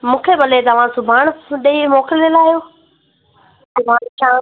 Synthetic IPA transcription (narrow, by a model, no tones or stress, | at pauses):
mũːkʰebɐlet̪ɐʋ̤ãsʊbʱaːɳ̃ɗeimoːkɪlelaːijoː | ʊbʱãːt͡ʃãː